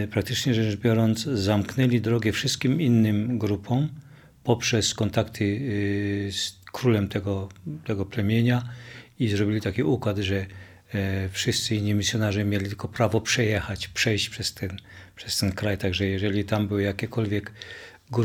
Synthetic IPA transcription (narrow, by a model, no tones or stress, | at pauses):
pɾak̚t̪ɘt͡ʂɲɛʐɛnʐbʲjɔɾɔnd̪zzamknɛlʲid̪ɾɔɡɛfʂɘst̪kʲiminːɘmɡɾupʰɔ̃m | pɔpʂɛskɔnt̪akt̪ʰɘ | skɾulɛmt̪ɛɡɔt̪ɛɡɔplɛmʲjeɲaizɾɔbʲilʲit̪akʲiʔukwad̪ʐɛ | fʂɘst̪sɘinːimʲisʲjɔnaʐɛmʲjelʲit̪ɘlkɔpɾavɔpʂɛjɛxat͡ɕpʂɛjɕt͡ɕpʂɛst̪ɛnpʂɛst̪ɛnkɾajt̪aɡʐɛjɛʐɛlʲit̪ambɘwjakʲɛkɔlvʲjɛk | ɡ